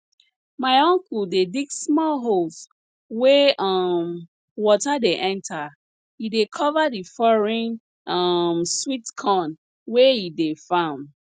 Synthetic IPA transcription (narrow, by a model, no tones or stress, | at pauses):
maɪɔ̃ŋkuldediksmɔlɦols | wɛʔʌm | wɔtadeʔɛ̃ntʰa | idekʰɔvadifɔɹĩn | ʌmswitkʰɔ̃n | wɛjidefãʊ̃nd